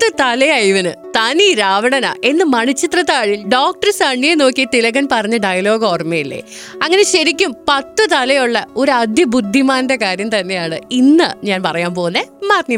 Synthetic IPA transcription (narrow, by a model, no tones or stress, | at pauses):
t̪ːɨt̪ɐlɐjɐjʋɐnɨt̪ɐniɾaːʋɐɳɐna̰ːʔe̞nːɨmɐɳit͡ɕːit̪rɐt̪ːaːɻilɖoːk̚ʈɐrsɐɳːijeno̞ːkːit̪ilɐɡɐnpɐrɐɲːɨɖɐjɐlo̞ːɡoːrmejilːḛ | ɐŋːɐne̞ɕɐɾikʲːumpɐt̪ːɨt̪ɐlɐjuɭːɐo̞ɾuɐd̪ʱjɐbud̪ʱːimaːnde̞kaːɾjɐmt̪ɐnːe̞jaːɳɨ̰inːɨɲaːnpɐrɐjaːnpo̞ːnːɐmaːt̪ni